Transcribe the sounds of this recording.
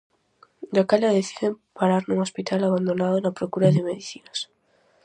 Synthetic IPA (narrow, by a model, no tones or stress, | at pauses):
ʎakaʎaðeθiðempaɾaɾnuŋospit̪ʰalaβand̪onaðonapɾokuɾaðɪmeðiθinas